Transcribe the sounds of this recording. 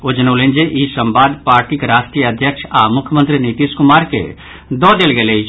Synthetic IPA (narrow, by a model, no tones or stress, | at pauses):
od͡ʒnolẽːnd͡ʒeʔiːsəmbaːd̪paːɾʈikeɾaːsʈɾijəɐd̪ʱjəkʃa̰ːmʊkʰjmə̃nt̪ɾiniːt̪iskʊmaːɾkḛ | d̪ɔːd̪elɡeleː